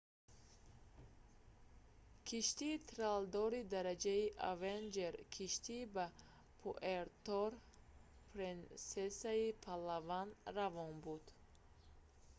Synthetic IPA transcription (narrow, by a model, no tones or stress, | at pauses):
kʰiʃt̪iːt̪ʰɾald̪ɔɾid̪aɾad͡ʒaiʔavend͡ʒeɾkʰiʃt̪ʰiba | pʰoʔeɾt̪ɔɾ | pʰɾensesaipʰalavanravɔnbud̪̥